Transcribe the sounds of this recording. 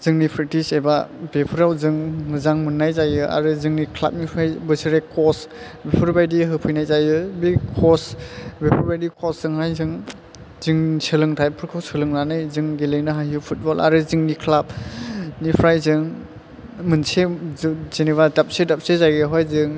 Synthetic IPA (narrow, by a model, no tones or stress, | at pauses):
z̥ɯŋnipʰɾek̚tisebabepʰɯɾawzɯŋmɯzaŋmɯnːajzajɯa̰ɾɯzɯŋnikʰla̰p̚nipʰɾajbɯsɯɾekʰɔs | bepʰɯɾbajdiɦɯpʰɯjnajzajɯbikʰɔsbepʰɯɾbajdikʰɔszɯŋhajzɯŋ | zɯŋsɯlɯŋtʰajpʰɯɾkʰɯwsɯlɯŋnanɯjzɯŋɡelɯjnɯɦajɯpʰut̚bɔla̰ɾɯzɯŋnikʰlap̚nipʰɾajzɯŋ | mɯnsezeniβadap̚sedap̚sezajɯɦɔjzɯŋ